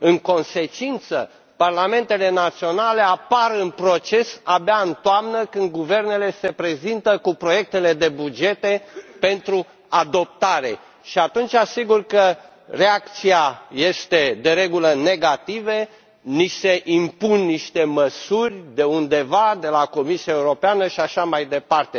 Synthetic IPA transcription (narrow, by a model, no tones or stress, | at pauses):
ɨŋko̞nse̞t͡ʃint̪sə̰ | parlame̞nt̪e̞le̞nat̪sionale̞apaɾɨnpɾo̞t͡ʃe̞sabeaɨnt̪oamnəkɨnd̪̚ɡuve̞rne̞le̞se̞pɾe̞zint̪əkupɾo̞je̞k̚t̪e̞le̞d̪e̞bud͡ʒe̞t̪e̞pe̞nt̪ɾu | ad̪o̞p̚t̪aɾe̞̰ | ʃiat̪unt͡ʃasiɡurkə | re̞ak̚t̪siaje̞st̪e̞d̪e̞ɾe̞ɡuləne̞ɡat̪ive | nise̞ʔimpunːiʃt̪e̞məsurʲd̪e̞und̪e̞vad̪e̞lako̞misiaeuɾo̞peanəʃiaʃamajd̪e̞part̪e̞